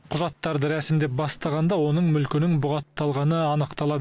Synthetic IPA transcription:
qʰʊʒɑt̪ːɑɾd̪əɾæsɪmd̪ep̚bɑst̪ɑʁɑnd̪ɑwo̞nəɴmʏlkʲɪnɪŋbʊʁɑt̪ːɑlˠʁɑnəɑnəqt̪ɑlˠɑ

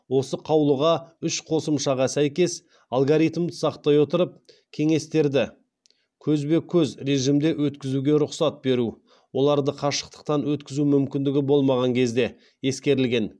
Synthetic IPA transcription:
wo̞səqʰɑwlˠəʁɑʏʃqʰo̞səmʃɑʁɑsæjkʲe̞s | alˠɡoɾijt̪md̪əsɑqt̪ɑjwo̞t̪əɾəp̚ | kʲʰe̞ŋe̞st̪e̞ɾd̪ɪ | kʲʰɵzbe̞kʲʰɵzɾe̞ʒimd̪e̞ʔwɵt̪kʲɪzuɡʲe̞ɾʊqsɑt̪̚be̞ɾu | wo̞lˠɑɾd̪əqʰɑʃə̥qt̪ə̥q̚t̪ɑnwɵt̪kʲɪzumʏmkʲɪnd̪ɪɡʲɪbo̞lˠmɑʁɑŋkʲʰe̞zd̪e̞ | je̞skʲe̞ɾɪlɡʲe̞n

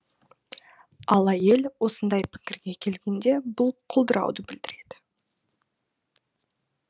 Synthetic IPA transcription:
ɑlˠæje̞lwo̞sənd̪ɑjpʰɪ̥kʲɪɾɡʲe̞kʲʰe̞lɡʲe̞nd̪e̞bʊlˠqʰʊlˠd̪əɾɑ̰wd̪əbɪld̪ɪɾe̞d̪̥ɪ̥

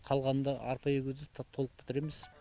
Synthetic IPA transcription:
qʰɑlˠʁɑnd̪ɑɑɾpɑjʏɡʲud̪ɪt̪ʰolˠəq̚b̥ɪ̥t̪ɪɾe̞mɪz̥

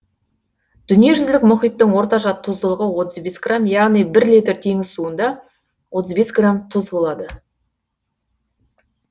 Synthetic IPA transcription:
d̪̥ʏnije̞ʒʏzlɪkmʊχijt̪ːəɴwo̞ɾt̪ɑʒɑt̪ʰːʊzd̪əlˠəʁəwo̞t̪əzbe̞sɡramjɑʁnijbɪɾlijt̪ɪɾt̪ʰe̞ŋɪzsuənd̪ɑ | wʔo̞t̪əzbe̞sɡramt̪ʰʊzbo̞lˠɑd̪ə

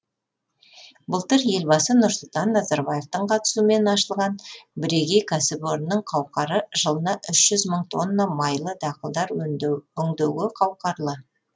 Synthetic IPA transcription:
bʊlˠt̪əɾje̞lbɑsənʊɾsʊlˠt̪ɑnːɑzɑɾbɑje̞ft̪əɴqʰɑt̪ə̥suəme̞nɑʃəlˠʁɑnbɪɾeɡʲejkʰɑsɪpoɾnːəɴqʰɑwqɑɾəʒ̥əlˠənɑʔʏʃʒ̥ʏzməɴt̪ʰo̞nːɑmɑjlˠəd̪ɑqəlˠd̪ɑɾɵŋd̪ewɡɪqʰɑwqɑɾlˠə

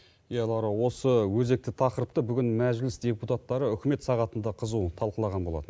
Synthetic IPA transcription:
jɑlˠɑɾɑwo̞səwɵze̞k̚t̪ɪt̪ʰɑqəɾəp̚t̪əbʏɡʲɪnmæʒlɪsd̪ʲe̞put̪at̪ːɑɾəʏkʲɪme̞t̪sɑʁɑt̪ənd̪ɑqʰəzut̪ʰɑlˠqəlˠɑʁɑnbo̞lˠɑ̰t̪ən

